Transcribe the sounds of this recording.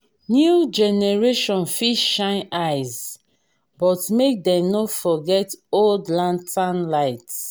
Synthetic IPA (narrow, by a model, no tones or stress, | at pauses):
njud͡ʒɛnɛɹeʃɔ̃nfiʃːãɪ̃naɪz | bɔtmek̚dɛ̃mnofɔɡɛtoldlãntʰãnlaɪts